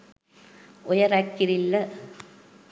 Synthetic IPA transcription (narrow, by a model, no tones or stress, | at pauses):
ʊjɐɾɐkːɪɾɪlːɐ